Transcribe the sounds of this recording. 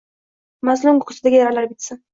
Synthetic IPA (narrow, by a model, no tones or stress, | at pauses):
mazlʊmɡʊqʰʊ̥sɪd̪aɡʲjaɾalaɾbɪt̪sɪn